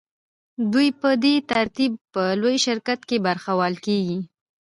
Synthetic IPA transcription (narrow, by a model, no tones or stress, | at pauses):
d̪ujpəd̪et̪aɾt̪ib̚pəlojʃɪɾkat̪kebaɾxawɑlkeɡi